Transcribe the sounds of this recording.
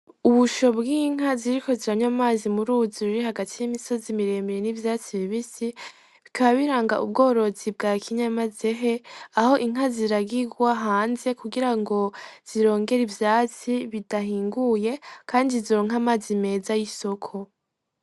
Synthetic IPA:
uβuʃo̞bɡiːŋ̥haziɾiko̞ziɾaɲwamaːzimuɾuːzuɾiɾihaɡatʰijimiso̞zimiɾe̞ːmbeɾenivjaːt͡siβiβisi | βikʰaβaβiɾaːŋɡa̰ʔub̚ɡo̞ːɾo̞zib̚ɡaːkʰiɲamaze̞ɦe̞aho̞ʔiŋ̥ɦaziɾaɡiɡwaɦaːnze̞kuɡiɾaŋɡo̞z̥iɾo̞ːŋɡe̞ɾivjaːt͡siβidaɦiːŋɡuje̞kʰaːndiziɾoːŋ̥amaːzime̞ːzajiso̞kʰo̞

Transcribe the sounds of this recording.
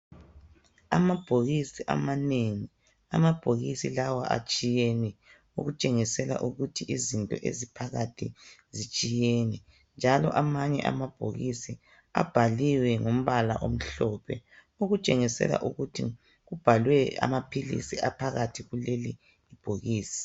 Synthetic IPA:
a̰mab̥ʱoɣisiʔa̰maneŋi | amab̥ʱoɣisilawaʔa̰t͡ʃʼijenɛ | ṵɣut͡ʃʼeŋisɛla̰ʔuɣutʰiʔizintʼɔʔḛzipʰaɣatʰizit͡ʃʼijɛnɛ | nd͡ʒʱalɔʔamaɲɛʔamab̥ʱo̰ɣisi | a̰b̥ʱaliwɛŋom̩βala̰ʔom̩ɬɔpʰɛ | uɣut͡ʃʼeŋisɛ̰la̰ʔuɣutʰi | ɣub̥ʱalwɛa̰mapʰilḭsiʔapʰaɣatʰiɣuleliː | b̥ʱoɣiːsi̥

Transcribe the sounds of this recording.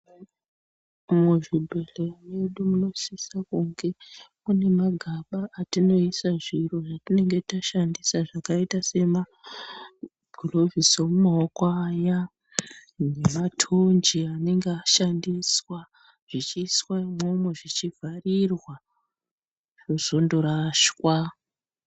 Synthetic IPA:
umweʐibʱe̞leroje̞ɗumuno̞sisakuŋɡe̞mune̞maɡʱaɓaʔːtino̞isaʐiroʐatine̞ŋɡe̞taʃandisaʐakaitase̞ma | ɡ̥ʱlo̞vʱisomumaokaja | ne̞matʰond͡ʒiane̞ŋɡeaʃandiswa | ʐ̥it͡ʃiswaimo̞mweʐit͡ʃivʱarirwa | ʐ̥ozo̞ndoɾaʃwa

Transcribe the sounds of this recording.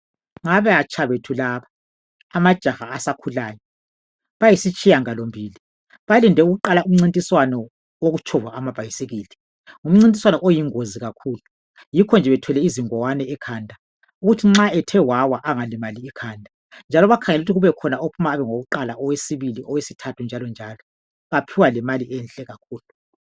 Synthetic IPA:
ŋaβɛat͡ʃʼʰaβetʰulaːβaː | mad̥ʒ̥ʱaxaːsakʰulaːjɔ | βajisit͡ʃʼijaŋalombʱiːli | βalindʱɛuɣuǃalaum̩ŋ͡ǀintʼiswanɔ | woɣut͡ʃʰɔvwaːmab̥ʱajiseɣiːlɛ | ŋum̩ŋ͡ǀintʼiswanɔʔojiŋoziɣakʰuːlu | jikʰɔnd͡ʒʱɛβɛtʰwɛlɛiziŋɔwanɛɛkʰaːndʱa | uɣutʰiŋ͡ǁaɛtʰɛwawaʔaŋalɛmaliːkʰaːndʱa | nd͡ʒʱalɔβakʰaŋɛlutʰiɣuβɛkʰɔnaopʰumaːβɛŋoɣuǃalaɔwesiβiliʔɔwesitʰatʰund͡ʒʱalɔnd͡ʒʱalɔ | βapʰiwalɛmaliʔɛnɬʼɛɣak̚ʰuːlu

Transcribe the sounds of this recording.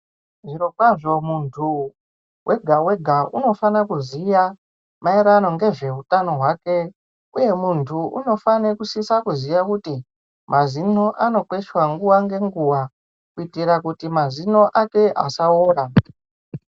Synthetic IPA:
ʐiɾokwaʐo̞muntʰu | wʔe̞ɡʱawe̞ɡʱaʔuno̞fanakuzija | maeɾano̞ŋɡe̞ʐe̞ɦutano̞ɦwake̞ | uje̞muntʰuʔṵno̞fanekusisakuzijakuti | mʔazin̤o̞ʔano̞kwe̞ʃwaŋɡuwaŋɡe̞ŋɡuwa | kuitiɾakutimazin̤o̞ʔake̞ʔa̰saoːra

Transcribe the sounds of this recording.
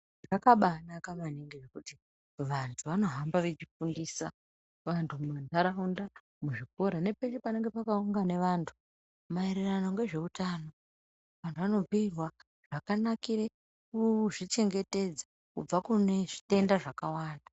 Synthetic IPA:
ʐakaɓanakamaniŋɡeʐekuti | ʋantʰuʋano̞ɦambaʋet͡ʃifundiːsa | ʋantʰumantaɾaunda | muʐiko̞ɾane̞peʃepane̞ŋɡe̞pakauŋɡane̞ʋaːntʰu̥ | maeɾiranoŋɡe̞ʐe̞utano̞ | ʋantʰuʋano̞b͡virwa | ʐ̥akanakiɾe | uʐit͡ʃe̞ŋɡe̞te̞d͡za | kub͡vakune̞ʐite̞ndaʐakawaːnda

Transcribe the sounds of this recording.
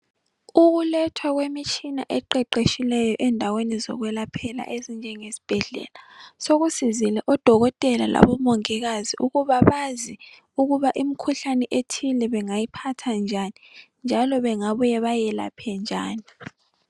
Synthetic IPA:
uɣulɛtʰwaɣwemit͡ʃʼina̰ʔɛǃɛǃeʃilɛjɔʔɛndʱawenizɔ̰ɣwɛlapʰɛla̰ʔezind͡ʒʱɛŋesi̥b̥ʱɛɮɛ̰lasoɣusizilɛʔɔd̥ʱɔɣɔtʼɛlala̰βɔmoŋiɣaziʔuɣuβaβazi | uɣuβaʔimikʰuɬanɛʔetʰilɛβɛŋajipʰatʰand͡ʒʱani | nd͡ʒʱalɔβɛŋaβujɛβajɛla̰pʰɛnd͡ʒʱa̰ːni

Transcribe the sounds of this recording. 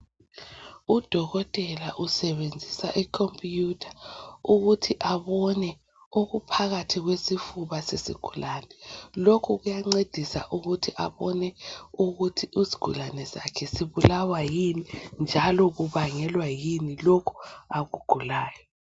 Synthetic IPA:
ud̥ʱɔɣɔtʼɛlaʔusɛβend͡zʱisaʔikʰompʰʼjutʰḁuɣutʰiʔaβɔnɛ | oɣupʰaɣatʰiɣwesifuβasesḭɡ̥ʱulanɛlokʰuɣujaŋ͡ǀed̥ʱisa̰ʔuɣutʰiʔa̰βɔnɛuɣutʰiizi̥ɡ̥ʱṵlanɛsa̰kʰɛsiβulawajinind͡ʒʱalɔɣuβaŋɛlwajinilokʰu̥aɣuɡ̥ʱulaːjɔ

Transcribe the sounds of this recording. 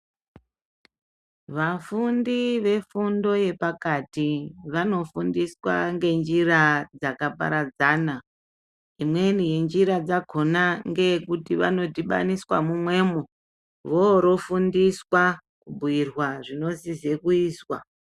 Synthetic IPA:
ʋafundiʋe̞fundo̞je̞pakatiʋano̞fundiswa̰ŋɡe̞nd͡ʒirad͡zakapa̰ɾad͡zaːna | imwe̞nije̞nd͡ʒiɾad͡zaɡʱo̞naŋɡe̞kutiʋa̰no̞tiɓa̰niswa̰mumwe̞ːmu | ʋoɾo̞fundiswa | kubʱuirwaʐino̞zize̞kuiːswa̰

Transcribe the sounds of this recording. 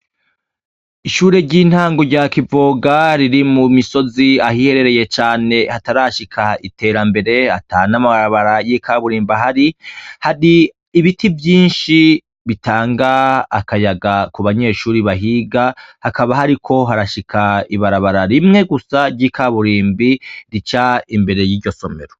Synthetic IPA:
iʃuːɾe̞ɾɟiːn̥haːŋɡo̞ɾɟaːkivo̞ːɡaɾiɾimumiso̞ziahihe̞ɾe̞ɾe̞je̞t͡ʃaːne̞hataɾaʃikʰaite̞ːɾambe̞ɾe̞ataːnamaβaɾaβaɾajikaβuɾiːmbaɦaɾihaɾiː | βitʰivjiːnʃi | βitʰaːŋɡaːkajaɡakuβaɲe̞ːʃuːɾiβaɦiɡahakaβaɦaɾikʰo̞ɦaɾaʃikʰaiβaɾaβaɾaɾimŋe̞ɡusaɾɟiːkʰaβuɾiːmbiɾit͡ʃaimbe̞ɾe̞jiːɾɟo̞so̞me̞̰ɾo̞

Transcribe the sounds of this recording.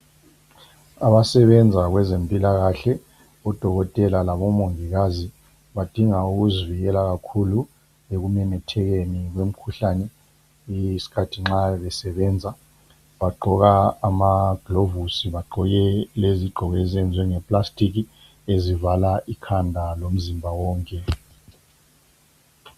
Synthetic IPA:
aɓasɛɓɛnd͡zʱak̬wɛzempʼilaɣ̬aɬɛ | ɔd̥ʱɔk̬ɔtʼɛlalaɓɔmoŋik̬azi | ɓad̥ʱiŋauk̬uzvijɛlak̬akʰulu | ek̬umɛnɛtʰɛk̬enik̬wem̩kʰuɬanɛ | isi̥kʰatʰiŋ͡ǁaɓɛsɛɓɛːnd͡zʱa | ɓaɡ͡ǃʱɔk̬aːmaɡ̥lovusiɓaɡ͡ǃʱɔk̬ɛleziɡ͡ǃʱɔkɛzɛnd͡zʱwɛŋɛpʼlastʼik̬i | ezivalaʔikʰandʱalom̩zimbʱawɔːŋkʼɛ

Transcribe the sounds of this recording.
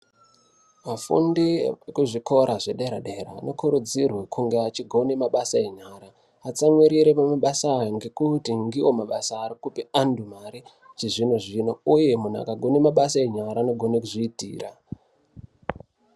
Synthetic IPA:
mafṵndikuʐiko̞ɾʔaʐe̞ɗe̞ɾaɗe̞ɾa̰no̞kuɾud͡zirwe̞kʰuŋɡeat͡ʃiɡʱo̞nemaɓasae̞ɲaːɾaː | t͡samwiɾiɾe̞pamaɓasaːjo̞ŋɡe̞kutiŋɡiwo̞maɓasaːɾikupiandumaɾi | t͡ʃeʐinoʐinouje̞mun̤a̰kaɡʱo̞nemaɓasae̞ɲaɾaːno̞ɡʱo̞ne̞kuʐiːtḭːra

